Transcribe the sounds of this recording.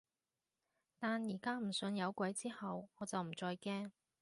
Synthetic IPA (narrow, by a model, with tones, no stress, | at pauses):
t̪aː˨njiː˨˩kaː˥m̩˨˩sɵ˧njɐ˨˧wkʷɐ˨˥jt͡siː˥hɐ˨wɔː˨˧t͡sɐ˨wm̩˨˩t͡sɔː˧jkɛː˥ŋ